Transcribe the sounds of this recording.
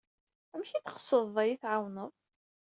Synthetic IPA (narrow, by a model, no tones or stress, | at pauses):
əmçit͡sə̥qsəðˤæjiθʕawnəðˤ